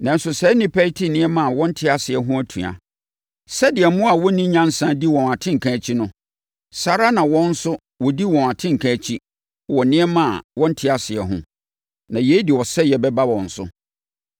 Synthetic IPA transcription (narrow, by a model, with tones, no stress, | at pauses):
nã˨n̩˦sʊ˨sɛ˨˦nɪ̃˦pʰɛ˦i˦tʰi˦nɪ̃˦ɛ˦mã˦˨a˨wɔ̃˦n̩˦tʰɪ˦a˨sɪ˨ɛ˨˦ɦʊ̃˦æ˦tʰũ˨a̰˨ | sɛ˦dɪ˨ɛ˨mʊ̃˦a˨wɔ˦nĩ˦ɲã˦n˦sã˦di˦wɔ̃˨na˨tʰɪ̃˦ŋ̩˨kʰã˨˦t͡ɕʰi˦nʊ̃˦ | sa˨ɾa˦nã˨wɔ̃˦n̩˦sʊ˦ | wɔ˨di˦wɔ̃˨n˨a˨tʰɪ̃˦ŋ̩˨kʰã˨t͡ɕʰi˦ | wɔ˨nɪ̃˦ɛ˦mã˦˨a̰˨wɔ̃˦n̩˦tʰɪ˦a˨sɪ˨ɛ˨ɦʊ̰̃˦ | nã˨je˦di˨wɔ˨sɛ˦jɛ˨bɛ˦ba˦wɔ̃˨n̩˨sʊ̰˦